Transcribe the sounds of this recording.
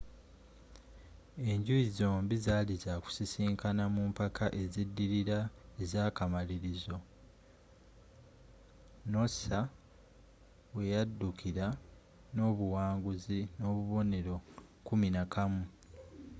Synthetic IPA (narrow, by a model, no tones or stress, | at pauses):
e̞ɲɟuizo̞ːmbizaːlizaku̥sisiːŋkanamumpakʰaʔe̞zidːiɾiɾaezaːkamaliɾizo̞ | no̞sa | βwe̞jadːukʰiɾa | no̞ːβuwaːŋɡuzino̞ːβuβo̞ne̞ɾo̞kuminakamu